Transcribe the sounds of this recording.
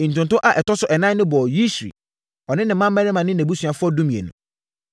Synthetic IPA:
n̩˨tʊ̃˨ntʊ̃˦ʔa˨ʔɛ˨tɔ˦sʊ˨ʔɛ˨nã˦nɪ̃˦bɔ˨ji˦sḭ˨ | ɔ˨nɪ̃˦nɪ̃˨mːã˦mː˦ɛ̃˦nɪ̃˦mã˨nɪ̃˦næ̃˨bu˦su˨a˨fʊ˦ɔ˦du˦mĩ˨ḛ˨nʊ̰̃˨

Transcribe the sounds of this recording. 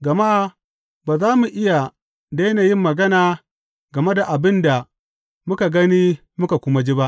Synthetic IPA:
ɡɐ˨ma˦˨ | baː˨zaː˦mu˨ʔɪ˦ja˨ | da˦jnaː˨jɪ˦mːɐ˨ɡɐ˦naː˨ | ɡɐ˨me˦da˨ʔa˨bɪ˦nda˨ | mʊ˦ka˨ɡɐ˦niː˦ | mʊ˦ka˨kʷʊ˦ma˦d͡ʒi˦ba˦ʔ

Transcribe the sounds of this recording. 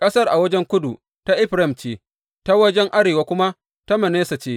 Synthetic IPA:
kʼɐ˦sɐ˦rʔa̰˨wɐ˦d͡ʒɛ˦ŋkʷʊ˦du˨ | ta˦ʔɪ˦ɸɾɛ˦˨mt͡ʃeː˦ | ta˦wɐ˦d͡ʒɛ˦ŋʔa˦ɾeː˨wa˦kʷʊ˦ma˦ | ta˦mɐ˨neː˦sa˨t͡ʃeː˦

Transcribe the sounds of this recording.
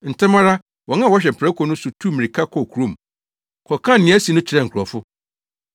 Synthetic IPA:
n̩˨tʰɪ̃˦mã˦ɾa˦ | wɔ̃˨ŋã˦˨wɔ˦ɕ̬ᶣɛ˨m̩˨pʰɛ˦kʰɔ˨nʊ̃˦sʊ˨tʰu˦˨mĩ˨ɾi˨kʰa˦kʰɔ˨kʰu˨ɾõ˦˨m˨ | kʰɔ˨kʰã˦˨n˨nɪ̃˨˦æ˦si˨˦nʊ̃˦t͡ɕʰɪ˨ɾɛ˨ŋ˨kʰu˨ɾɔ˨fʊ˦

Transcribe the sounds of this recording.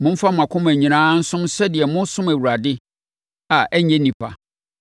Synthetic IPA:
mʊ̃˦m̩˦fa˦m˨ã˨kʰʊ̃˦mæ̃˨ɲĩ˨nãː˦n̩˦sʊ̃˦msɛ˦dɪ˨ɛ˨mʊ̃˦n˦sʊ̃˦mæ˨wu˨ɾa˨dɪ˦ | a˨ʔɛ˦ɲɛ̃˦nĩ˨pʰa̰˨

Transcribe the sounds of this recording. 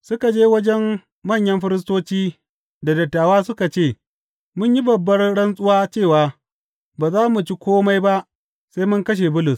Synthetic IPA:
sʊ˦ka˨d͡ʒeː˦wɐ˦d͡ʒɛ˦mː | ɐ˦˨ɲjɐ˦mɸɪ˦ɾɪ˦s̬toː˦t͡ʃiː˦ | da˨dɐ˨tːaː˨waː˦sʊ˦ka˨t͡ʃeː˦˨ | mʊ˦ɲji˦bɐ˨bːɐ˦rɽɐ˦nsʼʊ˦waː˦t͡ʃeː˦˨waː˨ | baː˨zaː˦mu˨t͡ʃi˦kʷoː˦ma˦jba˦ʔ | sa˦jmʊ˦ŋkɐ˦ʃ̬e˨bʊ˦lʊ˨s

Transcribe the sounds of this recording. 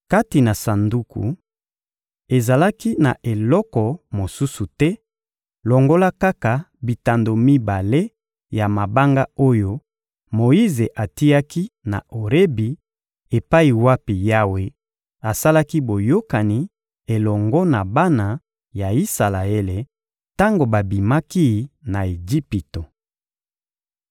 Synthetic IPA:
ka˦ti˨na˨sa˨ndu˦kṵ˨ | e˨za˨la˦ki˦na̰˨ʔe˨lɔ˦kɔ˨mo˨su˦su˨tɛ˦ | lɔ˨ŋɡo˦la˦ka˦ka˨bi˨ta˨ndo˨mi˦ba˨le˦ | ja˨ma˨ba˦ŋɡa˦o˦jo˦ | mo˨i˦ze˨ʔa˨ti˦ja˦ki˦na̰˨ʔo˨ʁe˦bi˨ | e˨pa˦i˨wa˦pi˨ja˦we˦ | a˨sa˦la˦ki˦bo˨jo˦ka˨ni˨ | e˨lɔ˨ŋɡɔ˦na˨ba˦na˨ | ja˨i˦sa˨la˨e˦le˨ | ta˦ŋɡo˨ba˨bi˨ma˦ki˦˨na˨e˨d͡ʒi˦pi˨to˨

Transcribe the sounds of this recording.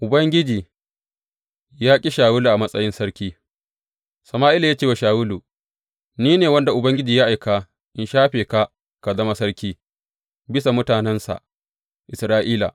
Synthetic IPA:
ʔʊ˨bɐ˦ŋɡʲɪ˦d͡ʒiː˨ | jaː˦kʲʼi˦ʃaː˨wʊ˦lu˨ʔa˨mɐ˦sʼɐ˦jɪ˦nsɐ˦ɽkʲiː˦ | sɐ˨maː˦ʔɪ˦la˨jaː˦t͡ʃeː˦wa˨ʃaː˨wʊ˦lu˨ | niː˦neː˨wɐ˦nda˨ʔʊ˨bɐ˦ŋɡʲɪ˦d͡ʒiː˨ja˦ʔa˨jka˦ | ʔɪ˦nʃaː˦ɸeː˨ka˦ | ka˨zɐ˦ma˦sɐ˦ɾkʲiː˦ | bɪ˦sa˨mʊ˦taː˨nɛ˦nsa̰˨ʔ | ʔɪ˨sɾaː˦ʔiː˦la̰˨

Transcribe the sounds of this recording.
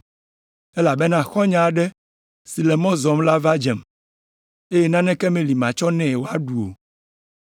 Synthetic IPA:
ɛ˦la˨bɛ˦nã˦xɔ˦ɲã˨ɖɛ˦ | si˨lɛ˨mɔ̃˦zɔ˨mla˦va˦d͡ʒɛ˨m | e˦jɛ˦nã˦nɛ̃˦kɛ˦mẽ˨li˨mã˨t͡ʃɔ˦nɛ̃˦˨wo˨a˦ɖu˨o̰˨

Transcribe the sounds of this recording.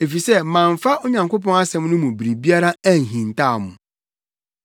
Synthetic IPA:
e˨fi˨sɛ˦˨mã˨ɱ˨fa˦ʔo˦ɲã˨ŋko˦pɔ̃˦na˦sɛ̃˦mnʊ̃˦mũ˨bi˨ɾi˨bi˦a˦ɾa˦æ˦n˨ɦĩ˨ntaː˦˨mʊ̰̃˨

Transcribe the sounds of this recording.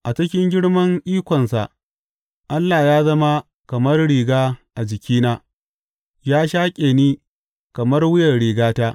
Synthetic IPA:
ʔa˨t͡ʃɪ˦kʲɪ˦ŋɡʲɪ˦ɽmɐ˦ŋʔiː˦kʷɔ˨nsa˨ʔ | ʔa˦lːaː˨jaː˦zɐ˦ma˦ | kɐ˨mɐ˦rɽiː˨ɡaː˦ʔa˨d͡ʒɪ˨kʲiː˦naː˦ | jaː˦ʃaː˦kʲʼeː˨niː˦ | kɐ˨mɐ˦rwʊ˦jɐ˨rɽiː˨ɡaː˦taː˦

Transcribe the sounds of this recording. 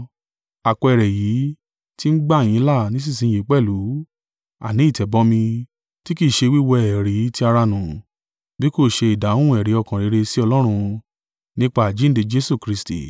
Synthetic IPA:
a˨kɔ˧ɛ˨ɾɛ˨jiː˨˦ | ti˦n̩˦ɡ͡ba˦˨j̃ĩ˨˦la˦˨nĩ˨˦s̬ĩ˦˨s̬ĩ˧˦je˨˦k͡pɛ˦˨lu˨˦ | a̰˨nĩ˨˦i˦˨tɛ˨bɔ˦mĩ˧ | ti˦ki˦˨ʃe˧wi˦wɔ˧ɛ˨ɾi˨˦ti˦a˧ɾa˧nũ˨ | bi˦ko˦˨ʃe˧i˨dã˨˦ũ˦ɛ˨ɾe˨˦ɔ˧kã˨ɾe˨˦ɾe˧si˦ɔ˧lɔ˦ɾ̃ũ˧ | nĩ˦k͡pa˦a˨d͡ʒi˨˦n̩˦de˧d͡ʒe˦su˦˨kɾi˧stḭ˨

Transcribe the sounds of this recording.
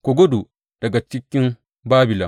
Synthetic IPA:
ko˨ɡo˦du˨ | d̥ɐ˨ɡa˨t͡ʃi˦kʲːi˦n | baː˦bi˨la˨

